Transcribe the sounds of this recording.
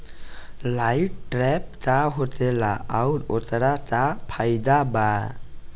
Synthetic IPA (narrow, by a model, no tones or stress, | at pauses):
lajʈ̚ʈɾɛp̚t̪aɦot̪ɛla̰awɾot̪ɽat̪apʰajd̪aba